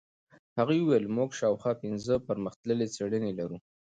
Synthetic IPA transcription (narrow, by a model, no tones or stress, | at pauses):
haɣujuwejlmuɡʃɑwxwɑpɪnzəpəɾməxt̪ləlet͡seɽənelaɾu